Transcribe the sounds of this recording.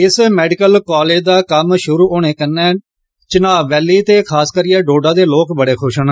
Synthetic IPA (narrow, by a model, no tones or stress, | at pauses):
ɪsmɛːɖɪkəlkɔːleːd͡ʒd̪aːkəmʃʊɾuːoːɽ̃eːkənːɛ̃ː | t͡ʃɪnaːʋɛːliːt̪eːkʰaːskəɾijɛ̃ːɖoːɖãːd̪eːloːkbəɽeːkʰʊʃən